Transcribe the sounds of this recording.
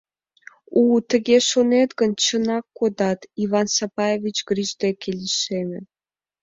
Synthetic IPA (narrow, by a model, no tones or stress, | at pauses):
ut̪ə̆ɣeʃonet̪ɡə̆nt͡ɕə̆nɑkːod̪ɑt̪iβɑnsɑpɑjevʲit͡ɕɡriʒd̪ekelʲiʃemʲĕ